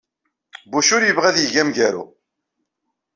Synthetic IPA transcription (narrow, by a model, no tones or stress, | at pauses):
buʃʊɾjəvʁæðjəʝæmʝæɾṵ